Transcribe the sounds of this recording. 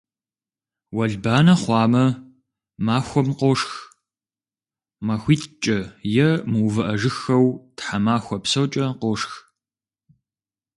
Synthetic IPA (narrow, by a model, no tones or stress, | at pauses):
wɐɮbaːnɐχʷɑːmɐ | maːxʷɔmqɔʂx | mɐxʷiːtt͡ʃʼɐjɛmɨwvɐʔɐʒɨxɐwtħamaːxʷɔpsɐwt͡ʃʼɐqɔʂx